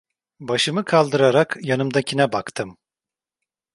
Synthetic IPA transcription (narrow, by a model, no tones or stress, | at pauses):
baʃɯmɯkʰalˠd̪ɯɾaɾakjanɯmd̪acʰinɛbakt̪ʰɯm